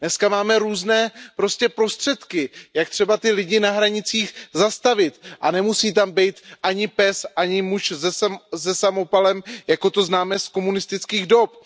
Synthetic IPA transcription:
nɛskamaːmɛɾuːznɛːpɾo̞scɛpɾo̞st̪r̝̥ɛt̪kɪjak̚t̪r̝̥ɛbat̪ɪlɪɟɪnaɦɾaɲɪt͡siːxzast̪avɪt̪ʔanɛmusiːt̪̬ambɛjt̪ʔaɲɪpɛsʔaɲɪmuʃzɛszɛsamo̞palɛmjako̞t̪o̞znaːmɛsko̞munɪst̪ɪt͡skiːɣdo̞p

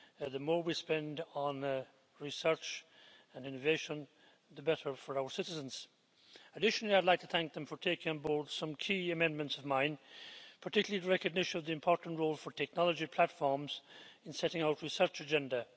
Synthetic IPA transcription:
ðəmɔɹwispɛ̃ndn̩ | ɹisɜ˞t͡ʃə̃nɪ̃nɨveɪʃə̃n | ðəbɛɾə˞fə˞aʊə˞sɪɾɨzə̃nz̥ | ədɪʃn̩l̩ˠiaɪdlaɪk̚tʰɨθæ̃ŋk̚ðə̃ɱfə˞tʰeɪkɪ̃ŋə̃nbɔɹd̥sʌ̃mkʰiɨmɛ̃nmə̃ntsʌvmãɪ̃npʰə˞tʰɪkjl̩ˠiðəɹɛkɨɡ̚nɪʃɨ̃nʌvðiɨ̃mpʰɔɹʔn̩tɹoʊlˠfə˞tʰɛk̚nɑlˠəd͡ʒipʰl̥ætfɔɹmz̥ɨ̃nsɛɾɪ̃ŋaʊt̚ɹisɜ˞t͡ʃɨd͡ʒɛ̃ndə

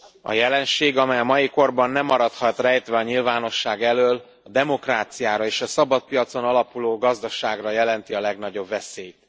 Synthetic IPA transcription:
ɒ̰jɛlɛnʃeːɡɒmɛjɒmɒjiko̞rbɒnːɛmːɒɾɒt̪hɒt̪rɛjt̪ʋɛɒɲilvaːno̞ʃːaːɡɛløːl | ɒd̪ɛmo̞kraːt̪sijaːɾɒeːʃɒsɒbɒt̪̚pijɒt̪so̞nɒlɒpuloːɡɒzd̪ɒʃaːɡrɒjɛlɛnt̪iɒlɛɡnɒɟo̞bvɛseːjt̪̚

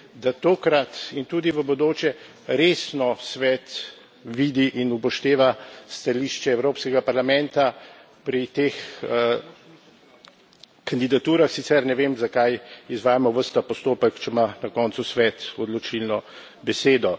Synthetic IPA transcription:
d̪at̪oːkɾat̪int̪uːd̪iʋəbɔd̪oːt͡ʃjɛ | ɾeːsnɔsʋɛːt̪ | ʋiːd̪iʔinupɔʃt̪eːʋast̪aliʃt͡ʃɛɛwɾoːpskɛɡapaɾlamɛ̃nt̪a | pɾit̪eːx | kand̪id̪at̪uːɾaxsitsɛɾnɛʋeːmzakajizʋaːjamɔʋəɾst̪apɔst̪oːpəkt͡ʃɛmanakɔnt̪susʋɛːt̪ɔd̪lɔt͡ʃilnɔ | bɛseːd̪ɔ

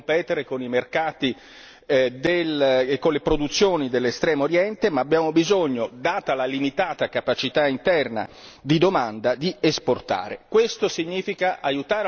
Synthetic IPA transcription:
mpɛːt̪eɾekonimerkaːt̪i | d̪elkːonlepɾod̪ut̪sːjoːnid̪elːest̪ɾɛːmooɾjɛnt̪emaːbjaːmobizoɲːod̪aːt̪alalimit̪aːt̪akapat͡ʃit̪aint̪ɛrna̰d̪id̪omand̪ad̪iesport̪a̰ːɾḛkwest̪osiɲːiːfikaʔajut̪aːɾ

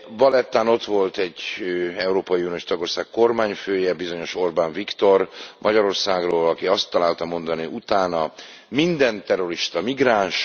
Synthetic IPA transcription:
vɒlɛt̪ːaːno̞t̪ʋo̞lt̪ɛɟːøɛuɾoːpɒjiunijoʃt̪ɒɡo̞rsaːkko̞rmaːɲføːjɛbizo̞ɲo̞ʃo̞rbaːɱvikt̪o̞rmʔɒɟɒɾo̞rsaːɡroːlɒkiɒst̪ːɒlaːlt̪ɒmo̞nd̪ɒniʔut̪aːnɒ | mind̪ɛnt̪ɛro̞ɾiʃt̪ɒmiɡraːnʃ

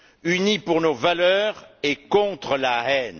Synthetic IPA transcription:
ynipuʁnovalœʁekɔ̃t̪χəlaɛn

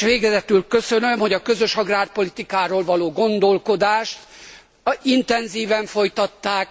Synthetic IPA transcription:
ʋeːɡɛzɛt̪ylkø̞sø̞nømho̞ɟɒkø̞zøʃɒɡraːrpo̞lit̪ikaːɾoːlvɒloːɡo̞nd̪o̞lko̞d̪aːʃt̪ | int̪ɛnziːvɛɱfo̞jt̪ɒt̪ːaːk

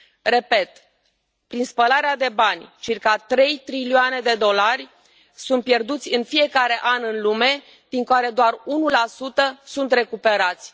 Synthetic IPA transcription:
re̞pe̞t̪ | pɾinspəlaɾead̪e̞banʲt͡ʃirkat̪ɾe̞jt̪ɾilioane̞d̪e̞d̪o̞larʲ | sunt̪̚pje̞rd̪ut̪sʲɨnfije̞kaɾe̞ʔanɨnlume̞ | d̪̥iŋkoaɾe̞d̪oarunulasut̪əsunt̪re̞kupe̞ɾat̪sʲ

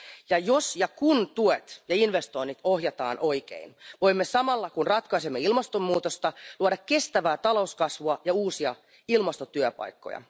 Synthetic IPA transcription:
jɑjosjɑkunt̪uet̪jɑinʋest̪o̞init̪o̞hɦjɑt̪ɑ̰ːnʔo̞ik̟ḛinʋo̞imːesɑmɑlːɑkunrɑt̪kɑisemːeilmɑst̪omːuːt̪ost̪ɑluɑdɑkke̞st̪æʋæːt̪ɑlo̞uskɑsʋuɑjɑuːsiɑ | ilmɑst̪ot̪yøpɑ̰jkːo̰jɑ̰

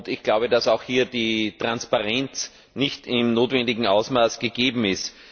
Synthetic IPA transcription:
tɪçɡ̥laʊbədasaʊxhiːɐd̥itʁ̥anspaʁɛnt͡s | nɪçtɪmnoːtvɛndɪɡŋ̩aʊsmaːsɡ̥eɡ̥eːbm̩ɪst

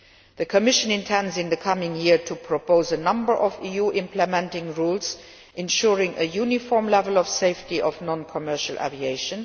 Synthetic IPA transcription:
ðəkʰɔmɪʃə̃nɪ̃ntʰɛ̃ndzɪ̃nðəkʰʌmɪ̃ŋjɪɹtʰupʰɹ̥ɔpʰoʊzənʌ̃mbə˞ʔɔvijuʔɪ̃mpʰləmɛ̃ntɪ̃ŋɹuːlz | ʔɪ̃nʃuɹɪ̃ŋəjuːnifɔɹmlɛvəlɔfseɪftiʔɔfnɔ̃nkʰɔmɜ˞ʃəlʔæ̰vieɪʃə̃n

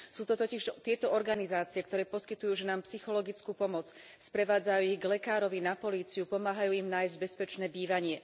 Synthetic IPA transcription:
suːt̪ɔt̪ɔciʃt̪ɪɛt̪ɔɔɾɡanizaːt͡siɪɛkt̪ɔɾɛːpɔskit̪ujuːʒɛnaːmpsixɔlɔɡit͡skuːpɔmɔt͡s | spɾɛʋaːd͡zajuːiɣɡlɛkaːɾɔʋinapɔliːt͡siupɔmaːɦajuːimnaːjzɟ̚bɛspɛt͡ʃnɛːbiːʋaɲɪɛ

